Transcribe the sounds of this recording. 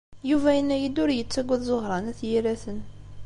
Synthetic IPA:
juvæjənːæjid̪ʊɾjət͡sːæɡʷːæðzoʁɾˤɑnæθjiɾæθən

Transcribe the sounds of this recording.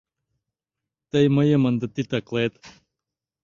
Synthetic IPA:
t̪ɐjmɐjemɐnd̪ət̪it̪ɐklet̪

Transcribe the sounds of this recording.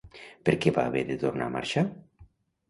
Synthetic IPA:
peɾkɛβa̰ːβeðet̪oɾna̰mʔa̰ɾʃa

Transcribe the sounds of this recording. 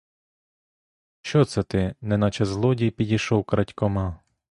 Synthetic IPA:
ʃt͡ʃɔt̪sɛt̪ɪnɛnɑt͡ʃɛzlˠɔdʲijpʲidʲiʃɔwkɾɐtʲkɔmɑ

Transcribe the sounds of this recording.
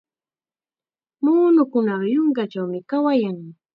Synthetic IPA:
muːnʊkʊnɑχjoŋkat͡ʃawmɪkawajaŋ

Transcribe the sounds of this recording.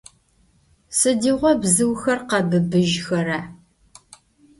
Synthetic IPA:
sɨdiːʁʷɔbzɨwxɐrqɐbɨbɨʒxɐɾɐ

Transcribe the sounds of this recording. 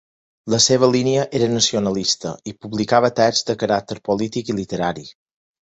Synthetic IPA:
ləseβ̞əliniəʔeɾənəsionəlist̪ə̰ipuβlikaβ̞ət̪ɛzd̪əkəɾak̚t̪əɾpolit̪ikilit̪əɾaɾi

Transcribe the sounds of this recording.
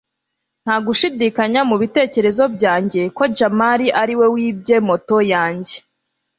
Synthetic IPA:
n̥haɡuʃidikaɲamuβite̞ːce̞ɾe̞zo̞b̚ɟaːɲɟe̞ko̞d͡ʒamaɾiʔaɾiwe̞wiːbɟe̞moto̞jaːɲɟe̞

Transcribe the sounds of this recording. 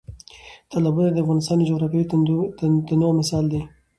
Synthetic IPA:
t̪alabunad̪əafɣɑnɪst̪ɑnd͡ʒoɣɾɑfe | d̪ənowmɪsɑld̪e

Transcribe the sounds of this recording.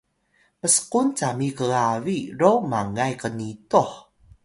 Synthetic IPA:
məsə̥qunt͡samikəɣaviɾowmaŋajkənituħ

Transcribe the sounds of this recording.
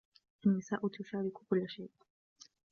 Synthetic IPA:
ʔanːɪsaːʔʊt̪ʊʃaːɾɪkkʊlːʃeːʔ

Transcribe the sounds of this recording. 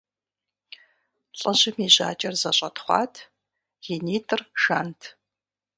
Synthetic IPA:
ɬʼɐʑɪmiːʑa̰ːt͡ʃʼɐrzɐɕʼɐtχʷɑ̰ːtʰ | ɣiniːtʰʼɨrʃaːntʰ

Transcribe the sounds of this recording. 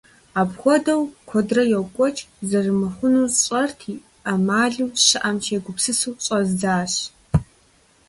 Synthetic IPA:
aːbxʷɔdɐwkʷʰɔdrɐjɛwkʷʼɔt͡ʃʼzɐrɨmɨχʷʊnuːɕʼɐrtʰi | ʔɐmaːɮuːɕɨʔɐmt͡ʃʰeːɡʷʊpsɨsuːɕʼɐzd͡zaːɕ

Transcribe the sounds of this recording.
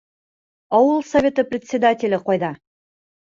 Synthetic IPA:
ɒwəlˠsɐvʲe̞t̪əprʲɪt̪ʲsʲɪd̪atʲɪlʲɪqɑjd̪ɑ

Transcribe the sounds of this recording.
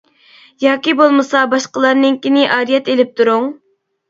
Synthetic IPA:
jɑːkʲibolˠmɨsɑbɑʃqəlˠɑɾnɨŋkʲinɪʔɑːɾijɛt̪elɪp̚t̪ʰuɾuŋ

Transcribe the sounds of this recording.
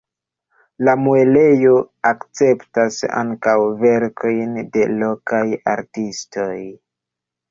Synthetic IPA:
lamuele̞jo̞akt͡se̞ptasa̰ŋkawve̞ɾkʰo̞jnde̞lo̞kaja̰ɾtisto̞j

